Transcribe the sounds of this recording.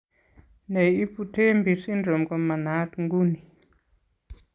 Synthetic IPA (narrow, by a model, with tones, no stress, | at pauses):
ne˨i˦pu˨te˦mbi˨si˦nɖ͡ʐo˨mkɔ˨ma˨na˨˦tŋɡu˦ni˨